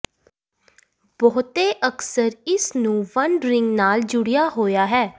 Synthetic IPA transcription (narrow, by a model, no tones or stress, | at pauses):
bɔːt̪eːʔəksəɾɪsnũːʋənɾɪŋɡnaːld͡ʒʊɽɪjaːɦoːjaːɦɛː